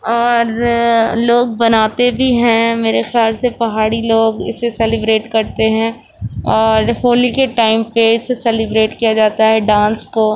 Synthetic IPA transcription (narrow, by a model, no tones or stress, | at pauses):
ɔːɾ | loːɡ̚bɐnaːt̪ebʱiɦɛ̃meːɾexjaːlsepɐɦaːɽiloːɡɪ̰sːesɛlɪbɾeːʈkɐɾt̪eɦɛ̃ | ɔːɾɦoːlikeʈaːɪmpeɪsesɛlɪbɾeːʈkijad͡ʒaːt̪aɦɛɖãːnsko